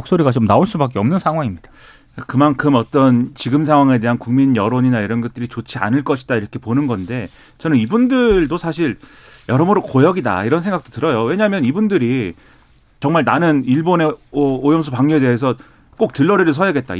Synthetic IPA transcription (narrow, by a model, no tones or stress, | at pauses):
ok̚s͈oɾiɡat͡ɕomnaoɭs͈ubak̬͈eʌmnɯnsʰaŋɦwaŋimɲid̥a | kakɯmankʰɯmʌt͈ʌnt͡ɕiɡɯms̬ʰaŋɦwaŋe̞de̞ɦankuŋminjʌɾoɲinaiɾʌnɡʌt̚t͈ɯɾit͡ɕot͡ɕʰia̰nɯɭk͈ʌɕʰidaiɾʌkʰe̞ponɯnɡʌnde̞ | t͡ɕʌnɯnibundɯɭdosʰaɕʰiɭ | jʌɾʌmoɾokojʌɡida̰iɾʌnsʰeŋɡak̚t͈otɯɾʌjowe̞ɲaɦmjʌnibundɯɾi | t͡ɕʌŋmaɭnanɯniɭbone̞ʌojʌmsʰupaŋɲue̞deɦes̬ʰʌ | k͈ok̚tɯɭːʌɾiɾɯɭs̬ʰʌjʌɡet̚t͈a̰